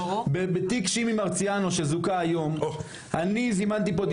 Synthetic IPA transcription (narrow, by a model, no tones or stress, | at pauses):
bebet̪ikʃimimaʁt͡sijanoʃezukaːjo̞m | anizimant̪ipo̞d̪